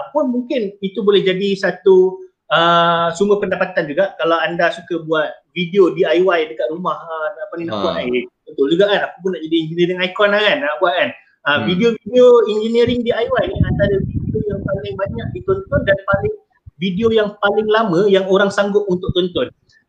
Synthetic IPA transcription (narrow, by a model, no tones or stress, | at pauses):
pʊnmuŋkɪnit̪ubolɛhd͡ʒadisat̪u | əsumbəpəndapat̪and͡ʒuɡaʔkalawandasukabuat̪̚vidiodiajwajdəkat̪̚rumahəapaninauʔajunt̪ʊʔluɡaʔanapapʊnːaʔd͡ʒadiːnd͡ʒəniɾɪŋajkɔnakanabuaʔ̪̚kan | əvidiovidioind͡ʒəniɾɪŋdiajwajniandadavidiojaŋpalɪŋbaɲak̚dit̪ɔnt̪ɔndanpalɪŋ | vidiojaŋpalɪŋlamə̃jaŋoɾaŋsaŋɡʊp̪̚unt̪ʊk̚t̪ɔnt̪ɔn